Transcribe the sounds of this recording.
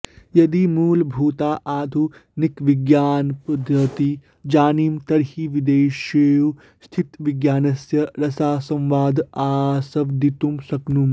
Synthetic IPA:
jɐd̪imuːlbʱuːt̪aːʔaːd̪ʱunikʋiɡjaːnpɐd̪ʱɾɐt̪i | d͡ʒaːniːmt̪ɐɾhiʋid̪eːʃeːju | st̪ʰit̪ʋiɡjaːnɐsjɐɾɐsaːsɐ̃mʋaːd̪aːsɐʋd̪it̪umsɐknum

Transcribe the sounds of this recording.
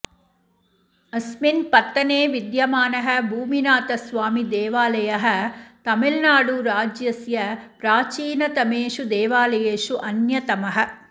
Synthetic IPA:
ɐsminpɐt̪ːɐneːʋid̪jɐmaːnɐɦɐ̆bʱuːminaːt̪ɐsʋaːmid̪ɛːʋaːlɐjɐɦɐ̆t̪ɐmilnaːɽuɾaːd͡ʒjɐsjɐpɾaːt͡ʃiːnɐt̪ɐmeːʂud̪ɛːʋaːlɐjeːʂuʔɐnjɐt̪ɐmɐɦɐ̆

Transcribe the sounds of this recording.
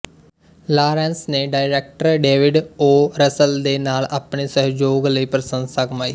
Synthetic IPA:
laːɾɛ̃ːnsneːɖaːɪɾɛːk̚ʈəɾɖeːʋɪɖoːɾəsəld̪eːnaːlaːpɳeːsəɦd͡ʒoːɡləiːpɾəsə̃nd̪səkmaːiː

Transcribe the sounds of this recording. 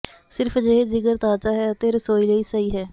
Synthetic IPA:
sɪɾpʰd͡ʒeːɦed͡ʒɪɡəɾt̪aːt͡ʃaːɦɛːət̪eːɾəsoːiːleiːsəiːɦɛː

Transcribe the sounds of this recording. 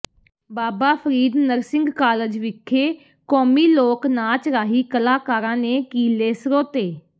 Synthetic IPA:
baːbaːpʰəɾiːd̪nəɾsɪ̃ŋɡkaːləd͡ʒʋɪkʰːeː | kɔːmiːloːknaːt͡ʃɾaːɦiːkəlaːkaːɾãːneːkiːleːsɾoːt̪eː

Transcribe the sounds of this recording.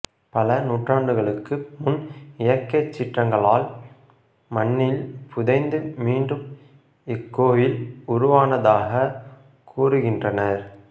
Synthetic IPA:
pɐlɐnuːʈraːɳɖɯɣɐɭɯkːɯmʊnɪjɐɾkːɐt͡ʃːɪʈrɐŋɡɐɭaːl | mɐnːɪlpʰʊðɐɪnd̪ɯmiːɳɖɯm | ɪkːoːjɪlʊɾʊʋaːnɐðaːɣɐ | kʰuːrɯɣɪndrɐnɐɾ

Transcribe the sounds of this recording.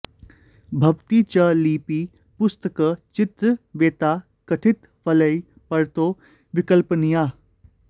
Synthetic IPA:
bʱɐʋt̪iːt͡ʃɐliːpiː | pʊst̪əkət͡ʃɪt̪ɾəʋeːt̪aː | kɐʈʰɪt̪ | pʰɐləi | pɐɾt̪oː | ʋɪkəlpnijaː

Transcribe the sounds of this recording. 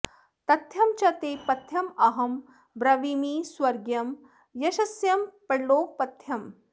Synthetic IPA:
t̪ɐt̪ʰjɐmt͡ʃɐt̪eːpɐt̪ʰjɐmɐɦɐm | bɾɐʋimiːswɐɾɡjɐm | jɐʃɐsjɐmpɐɽloːpɐt̪ʰjɐm

